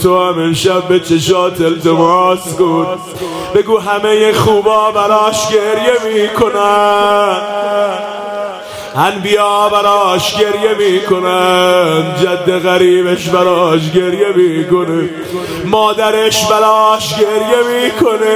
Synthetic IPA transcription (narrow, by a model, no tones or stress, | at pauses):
t̪ʰoæmenʃæb̚ːet͡ʃʰeʃɑːt̪ʰeld̪omɾɑːsɡud̪̚ | b̥e̞ɡuːɦæmejexuːbɒːbæɾɒːʃɡeɾjemiːkʰo̞næ | ænbijɑːbæɾɒːʃɟe̞ɾje̞miːkʰo̞nænd͡ʒæd̪ːeɣæɾiːbeʃbæɾɒːʃ̬ɡe̞ɾje̞miːko̞ne | mɒːd̪æɾeʃbæɾɒːʃɟeɾjemiːkʰone